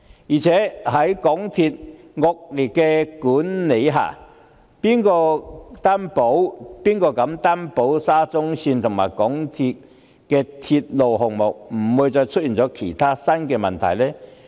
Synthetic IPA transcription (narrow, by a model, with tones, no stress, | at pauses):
jiː˨˩t͡sʰɛː˨˥hɐ˨˥jkɔ˨˥ŋt̪ʰiː˧t̚ | ŋɔː˨˧k̚li˨˩t̚kːɛ˧kuː˨˥nne˨˧˥jɦa̰ː˨˩ | piː˥nkɔː˧t̪aː˥npo˨˥wpiː˥nkɔː˧kɐ˨˥mt̪aː˥npo˨˥wsaː˥t͡sʊ˥ŋsiː˧nt̪ʰʊ˨˩ŋmaː˨˩jkɔ˨˥ŋt̪ʰi˧t̚ | kɛː˧t̪ʰi˧t̚lo˨˩wɦʊ˨ŋmo˨˩k̚m̩˨˩wuː˨˧jt͡sɔː˧jt͡ʃʰt̚jiː˨˩nt͡sɔː˨˥kʰe˨˩jt̪ʰaː˥sɐ˥nkɛː˧mɐ˨nt̪ʰɐ̰˨˩jlɛː˥